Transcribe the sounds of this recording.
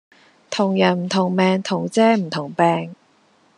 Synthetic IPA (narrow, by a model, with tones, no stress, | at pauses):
t̪ʰʊ˨˩ŋjɐ˨˩nm̩˨˩t̪ʰʊ˨˩ŋmɛː˨˧ŋt̪ʰʊ˨˩ŋt͡sɛː˥m̩˨˩t̪ʰʊ˨˩ŋpɛː˧ŋ